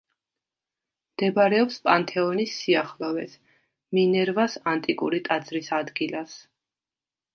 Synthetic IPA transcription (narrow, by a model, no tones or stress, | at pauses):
md̪̥ɛbaɾɛɔpspʼant̪ʰɛɔnisːiaχlˠɔvɛ̰s | minɛɾvasant̪ʼikʼṵɾit̪ʼad̪zɾisad̪ɡilas